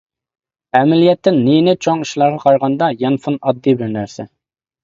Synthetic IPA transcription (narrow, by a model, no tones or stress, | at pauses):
ɛmɪlijɛt̪ʰːɪnːinɪt͡ʃʰoŋiʃlˠɑɾʁɑqʰɑɾʁɑnd̪ɑjɛnfunɑd̪ːibɪɾnæɾsɛ